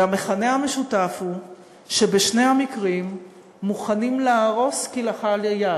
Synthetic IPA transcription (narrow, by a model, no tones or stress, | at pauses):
ame̞χane̞ame̞ʃutafhu | ʃebeʃne̞hamikʁimː | uχanimlaːʁo̞skilaχaleja